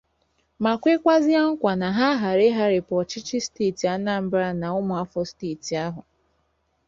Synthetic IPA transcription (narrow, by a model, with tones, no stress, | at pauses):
ma˨kʷe˦kʷa˦zɪ˦a˦ŋ̩˦kʷa˨na˨ɦa˦ɦa˨ɾe˦ɦa˦ɾɪ˨pɔ˨t͡ʃɪ˦t͡ʃɪ˦steː˦˨ti˨a˦na˦m̩˦bɾa˦na˨ʊ˦mʊ˨a˦fɔ˦steː˦˨ti˨a˦ɦʊ˨